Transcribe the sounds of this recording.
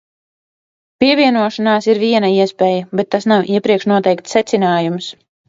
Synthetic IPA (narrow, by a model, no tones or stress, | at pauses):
piɛviɛnuɔʃanaːsiɾviɛnɐiɛspɛːjəbɛt̪ːasnawʔiɛpɾiɛkʃnuɔt̪ɛjkt̪sːɛt̪sinaːjums